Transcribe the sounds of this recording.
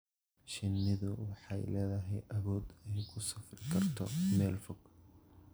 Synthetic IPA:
ʃɪnːɪðʊwɑħɑjlɛːðɐɦɛjʔɐβɔːd̪ɛjkʰʊsɐfrɪkʰɐrt̪ʰɔmɛːlfɔɡ̥

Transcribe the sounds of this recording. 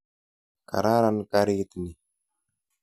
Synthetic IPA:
ka̰ɾaɾankaɾit̪ni

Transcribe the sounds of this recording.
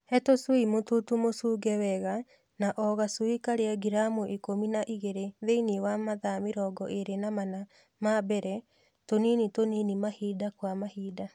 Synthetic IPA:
hɛtoswimotutumosuɡɛwɛɣa | naʔɔɣasuikaɾeaɡiɾamuʔikominaʔiɣeɾeðeiniwamaðamiɾɔɡɔʔeɾenamana | mabɛɾɛ | toninitoninimahidakwamahiːda

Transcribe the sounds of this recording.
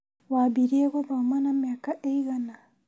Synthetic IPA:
waːbiɾieɣoβaumanamjaːkaʔeiɣana

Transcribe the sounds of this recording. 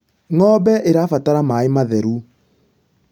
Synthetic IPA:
ŋɔbɛʔeɾafataɾamaemaðɛɾu

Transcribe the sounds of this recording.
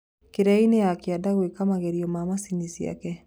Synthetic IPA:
keɾɛineakjadaɣwekamaɣeɾiomamasinisia̰kɛ

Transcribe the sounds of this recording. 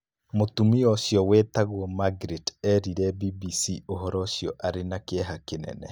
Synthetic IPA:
motumiɔʃjɔwɛt̪aɣwɔmaɡɾetɛɾiɾɛbibisioɦɔɾɔʃjɔʔaɾenakeɛɦakenɛ̰nɛ

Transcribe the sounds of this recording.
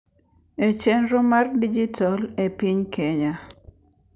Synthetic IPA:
et͡ʃenɾomardid͡ʒitʰalepiɲkʰeɲa

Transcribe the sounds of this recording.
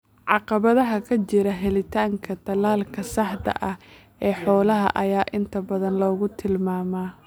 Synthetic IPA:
ʕɑqɑβɐðɐɦɐkʰɐt͡ʃɪɾɐɦɛlɪt̪ʰaːŋkʰɐt̪ʰɐlaːlkʰɐsɑħd̪ɐ̰ʔɐh | ʔɛːħɔːlɐɦɐ̰ʔɐjaːʔɪnt̪ʰɐbɐðɐnlɔːɣʊt̪ʰɪlmaːmaː

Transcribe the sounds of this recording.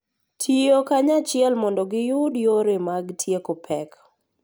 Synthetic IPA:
tʰiokaɲat͡ʃɪɛlmɔndɔɡɪjʊdjoɾemaɡtʰjekopʰɛk

